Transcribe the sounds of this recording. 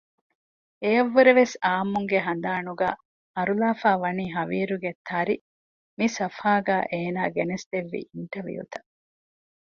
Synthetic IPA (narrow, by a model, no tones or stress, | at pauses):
eɐʋːuɾeʋesaːmuŋɡeɦɐnd̪aːnuɡaː | ɐɾulaːfaːʋɐniːɦɐʋiːɾuɡet̪ʰɐɾi | misɐfaːɡæːʔeːnaːɡenesd̪eʋːḭʔiɳʈɐʋḭjṵt̪ɐ̥